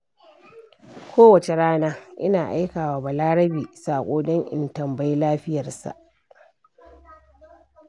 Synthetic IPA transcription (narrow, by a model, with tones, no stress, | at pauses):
kʷʰoː˦wɐ˨t͡ʃe˨ɽaː˦naː˦ʔɪ˦naː˨ʔa̰˦jkaː˨waː˨ba˨laː˦ɽɐ˦biː˨saː˨kʷʼoː˦dɔ˦ŋʔɪ̰˨ntɐ˨mba˦jlaː˦ɸɪ˦jɐ˨rsa̰˨ʔ